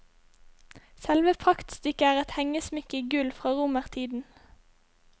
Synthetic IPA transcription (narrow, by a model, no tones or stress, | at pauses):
sɛlʋəpʰʁɑkt̪st̪ʏkəæːʁɛt̪hɛŋəsmɪkəɡʉlfʁoːʁʊməʁt̪ʰiːd̪n̩